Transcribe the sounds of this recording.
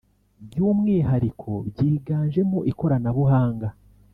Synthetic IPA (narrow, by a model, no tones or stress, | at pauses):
bjuːmŋiːɦaɾikʰo̞bɟiːiɡaːnʒe̞moʔiko̞ɾanaβuhaːŋɡa